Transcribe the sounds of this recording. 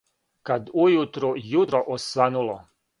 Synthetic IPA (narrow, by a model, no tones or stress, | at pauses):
kad̪ujut̪ɾujut̪ɾoʔosʋanulo